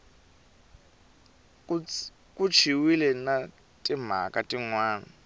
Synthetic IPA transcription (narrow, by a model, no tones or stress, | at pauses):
kut͡ʃʰiwilɛna | tʼim̤a̰kʼatʼiŋwaːna